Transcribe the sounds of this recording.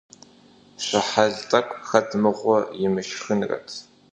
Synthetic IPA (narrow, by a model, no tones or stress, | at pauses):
ɕʷɐħaɮt͡sʼɐkʷʼxɐdʰmɨʁʷɔjɪmɨʃxɨnrɐ̰tʰ